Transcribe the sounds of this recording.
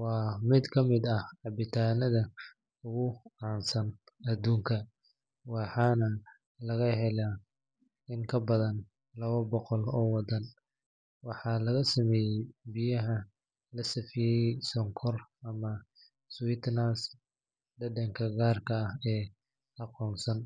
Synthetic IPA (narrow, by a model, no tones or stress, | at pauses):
wɑːmɪd̪kʰɐmɪd̪ɐhʕɑbɪt̪ʰaːnɐðɐ | ʊɣʊʕɑːnsɐnɐd̪uːŋkʰɐ | wɑħɑːnɐ | lɐɣɐɦɛla | ɪŋkʰɐbɐðɐn | lɐβɐbɔqɔlɔːwɑd̪ɐn | wɑħɑːlɐɣɐsɐmɛːjɛjbɪjɐɦɐ | lɐsɐfɪjɛjsɔŋkʰɔrɐmɐ | swɪt̪ʰnas | ɖɐdɐŋkʰɐɡaːrkʰɐːhɛː | ʔɑqɔːnsɐn